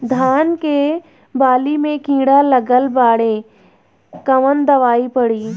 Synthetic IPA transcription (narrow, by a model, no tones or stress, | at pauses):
d̪ʱaːnke | baːlimẽkĩːɽalɐɡəlbaːɽẽ | kɐʋənd̪ɐʋaːipɐɽiː